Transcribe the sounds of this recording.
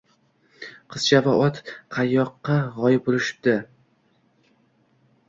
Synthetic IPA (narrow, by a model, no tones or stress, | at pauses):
qʰɨz̥t͡ʃʰavaɒt̪qʰɑjːɒqːɑʁɒjɪp̚bolˠɪʃɪ̥p̚d̪ɪ